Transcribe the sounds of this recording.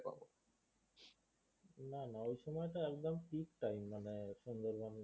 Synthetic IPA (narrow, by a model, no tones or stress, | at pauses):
pa̰bɔ | nanaojsɔmɔjɔtaɛk̚d̪ɔmtik̚ʈajmːanɛsɔnd̪ɔɾban